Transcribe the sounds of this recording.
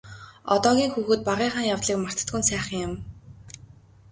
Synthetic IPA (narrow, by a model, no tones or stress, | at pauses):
ɔ̰t̪ɔːɣʲiːŋxuːxɘ̆ːt̪̚paʁiːχaːŋjawt̪ɮiːkmar̥t̪ə̥̆t̪ɡunsæːχə̆ŋjʊ̆m